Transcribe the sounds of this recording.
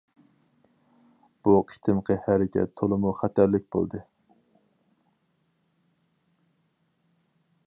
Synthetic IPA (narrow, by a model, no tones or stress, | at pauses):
b̥uqʰi̥t̪ʰɨmqʰəhæɾɪkʲʰɛ̰t̪ʰːolˠɨmuχæt̪ʰæɾlɪk̚ʲbo̰lˠd̪ɨ